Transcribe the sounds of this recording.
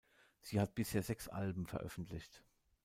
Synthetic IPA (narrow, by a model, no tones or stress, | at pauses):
z̥iːhat̚b̥ɪsheːɐzɛksʔa̰lbm̩fɛɐʔœ̰fn̩tʰlɪçt